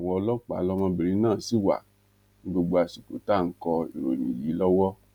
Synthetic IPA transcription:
wɔ˧lɔ˦k͡pa̰˨˦lɔ˦mã˧bi˨ɾĩ˨˧˦nãː˦˨si˨˦wa̰˨ | nĩ˦ɡ͡bo˧ɡ͡bo˧a˨si˨ko̰˨˦ta˦˨ŋ̩˦kɔ˧ḭ˨ɾo̰˨nḭ̃˨li˨˦lɔ˦wɔ˦

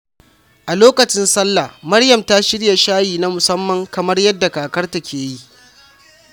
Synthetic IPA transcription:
ʔa˨loː˦kɐ˨t͡ʃɪ˦nsɐ˦lːa˨mɐ˦ɽjɐ˨mta˦ʃɪ˦ɽja˨ʃaː˦jiː˨na˦mʊ˨sɐ˦mːɐ˨ŋkɐ˨mɐ˦rjɐ˦dːa˨kaː˨kɐ˦rta˨kʲeː˨ji˦ʔ

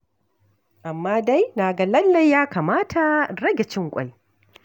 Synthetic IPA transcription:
ʔa˨mːaː˦da˦jnaː˨ɡa˨lɐ˦lːa˨jːaː˦kaː˨maː˦tʰa˨ɾɐ˦ɡʲe˨t͡ʃɪ˦ŋkʷʼa̰˦j

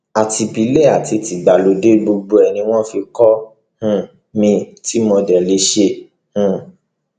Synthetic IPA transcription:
a˨ti˧bi˧˦le˦˨a˨ti˧ti˨ɡ͡ba˨lo˨˦de˦ɡ͡bo˧ɡ͡bo˧ɛ˨nĩ˧w̃ɔ̃˦fi˧kɔ˦ | hũ˦˨ | mĩ˧ti˦mɔ̃˧dɛ˨le˨˧˦ʃe˧ | hũ˦˨

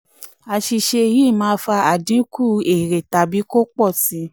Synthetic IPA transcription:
a˧ʃi˧ʃe˧ji˦˨mãː˦fa˧a˦˨dĩ˨˦kʰu˦˨e˨ɾe˨ta˨bi˨˦ko˦k͡pɔ˦˨ti˨˧˦

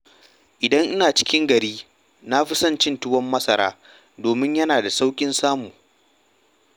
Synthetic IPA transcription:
ʔɪ˨dɐ˦ŋʔɪ˦naː˨t͡ʃɪ̥˦kʲɪ˦ŋɡɐ˨ɾiː˦ | na˦ɸi˦sɐ˦nt͡ʃɪ˦ntʊ˦wɐ˦mːɐ˦sɐ˨ɾa̰ː˦ | doː˨mɪ˦ɲjɐ˦naː˨da˨sa˦wkʲʼɪ˦nsaː˦mu˨

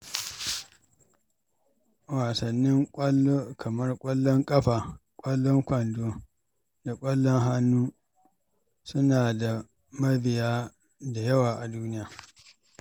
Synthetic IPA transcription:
waː˨sɐ˨nːɪ˦ŋkʷʼɐ˦lːoː˦kʰɐ˨mɐ˦rkʷʼɐ˦lːɔ˦ŋkʼɐ˦ɸaː˨kʷʼɐ˦lːɔ˦ŋkʷɐ˨ndoː˦ | da˨kʷʼɐ˦lːɔ˦ŋɦa˦nːuː˦ | sʊ˦naː˨da˨ | mɐ˦bɪ˨jaː˦ | da˨jɐ˦waː˨ʔa˨duː˦nɪ˦jaː˨

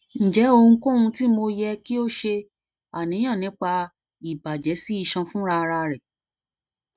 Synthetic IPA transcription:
n̩˨d͡ʒɛ˨˦o˧hũ˧ko˦˨hũ˧ti˦mo˧jɛ˧ki˦o˦ʃe˧ | a˨nĩ˨˦j̃ã˦˨nĩ˨˦k͡pa˧ | i˨ba˨d͡ʒɛ˨˦si˦i˦˧ʃã˧fũ˦ɾa˧ɾa˧ɾɛ˨

